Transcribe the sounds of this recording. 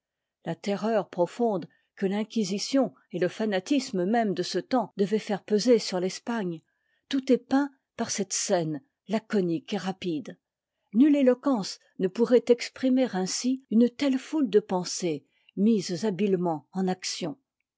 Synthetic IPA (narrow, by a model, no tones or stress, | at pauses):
lat̪ɛʁœʁpχɔfɔ̃d̪ | kəlɛ̃kʲizisjɔ̃ | eləfanat̪isməmɛmd̪əsət̪ɑ̃d̪əvɛfɛʁpøzesyʁlɛspaɲ | t̪ut̪ɛpɛ̃ | paʁsɛt̪sɛn | lakɔnikeʁapid̪ | nylelɔkɑ̃s | nəpuʁɛt̪ɛkspχimeʁɛ̃siynt̪ɛlfuld̪əpɑ̃se | mizabilmɑ̃ɑ̃naksjɔ̃